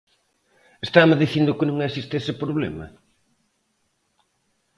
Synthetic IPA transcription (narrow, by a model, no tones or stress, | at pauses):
est̪ameðiθind̪ʊkɪnũŋesist̪esɪpɾoβlɛ̰mɐ̰